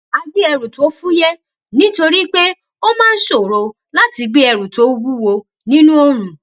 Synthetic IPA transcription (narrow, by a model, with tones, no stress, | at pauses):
a˧ɡ͡bi˦ɛ˧ɾu˨to˨˦fu˦jɛ˦ | nĩ˦to˧ɾi˦k͡pe˦ | o˦mãː˦n̩˦ʃo˦˨ɾo˨˧ | la˦ti˧ɡ͡be˦ɛ˧ɾu˨to˨˦wu˦wo˧ | nĩ˦nũ˦o˧ɾ̃ũ˨